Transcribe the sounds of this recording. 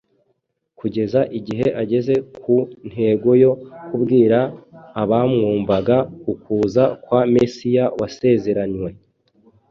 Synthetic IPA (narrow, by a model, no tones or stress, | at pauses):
kuɟe̞zaʔiɟiɦe̞ʔaɟe̞ze̞kʰun̥he̞ːɡo̞jo̞kubɡiːɾaːβamŋuːmbaɡakukuːzakwame̞sijawase̞ze̞ɾaɲwe̞